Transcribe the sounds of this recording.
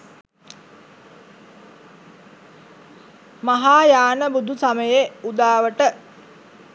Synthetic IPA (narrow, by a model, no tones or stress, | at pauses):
maɦaːjaːnəbud̪ʱusaməjeud̪aːʋəʈə